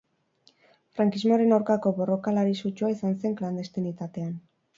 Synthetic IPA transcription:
fɾaŋkizmoɾe̞nawɾkako̞βo̞ro̞kalaɾisut͡ʃuaisanse̞ŋkland̪e̞st̪enit̪at̪e̞an

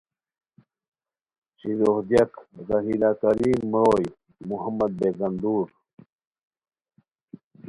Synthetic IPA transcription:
t͡ɕilohd̪jakɣaɦiːlaːkaɾiːmːɾoːj | muɦamɐd̪̚beɡand̪uːɾ

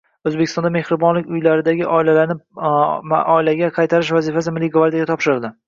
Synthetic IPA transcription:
ɵzbekʲɪst̪ɒnd̪ame̞hɾɪbɒnlɪk̚ʲʊjlaɾɪd̪aɡʲɪʔɒɪlalaɾnɪ | ʔɒɪlaɡʲaqʰɑjt̪ʰaɾɪʃvazifas̬ɪmɪlːiɡvaɾd̪jaɡʲat̪ʰɒpʃɪɾɪld̪ɪ

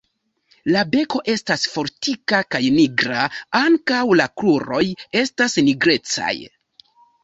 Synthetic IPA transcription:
labe̞ko̞ʔe̞stasfo̞ɾtikakajniɡɾaaŋkawlakluɾo̞je̞stasniɡɾe̞t͡sa̰j

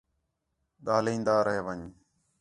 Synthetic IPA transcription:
ɗ̪aːlĩːnd̪aːɾəɦeːʋəɲ

